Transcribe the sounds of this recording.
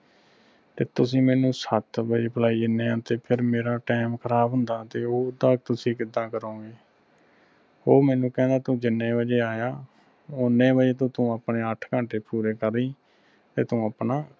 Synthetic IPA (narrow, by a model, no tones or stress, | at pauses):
t̪eːt̪ʊsĩːmɛːnũːsət̪bəd͡ʒeːpəlaːiːɪnẽːãːt̪eːpʰɪɾmeːɾaːʈɛːmkʰəɾaːbɦʊnd̪aːt̪eːoːd̪aːk̚t̪ʊsĩːkɪd̪ãːkəɾõːɡeː | oːmɛːnũːkɛ̃ːnd̪aːt̪ũːd͡ʒɪnːẽːʋəd͡ʒeːaːjaː | ʊnːẽːbəd͡ʒeːt̪õːt̪ũːəpɳeːəʈʰkə̃ːɳʈeːpuːɾeːkəɾiː | t̪eːt̪ũːəpnaː